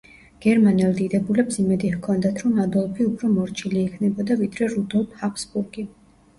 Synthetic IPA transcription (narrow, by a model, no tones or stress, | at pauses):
ɡ̥ɛɾmanɛlˠd̪id̪ɛbulɛpsimɛd̪ihkʰɔnd̪at̪ʰɾɔnad̪ɔlˠpʰiupʰɾɔmɔɾt͡ʃʰiliːkʰnɛbɔd̪avid̪ɾɛɾud̪ɔlˠp̪ʰhapʰsbuɾɡi